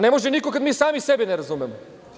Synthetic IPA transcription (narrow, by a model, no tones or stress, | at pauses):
nemoʒenikokad̪miːsaːmisebineɾazumɛmo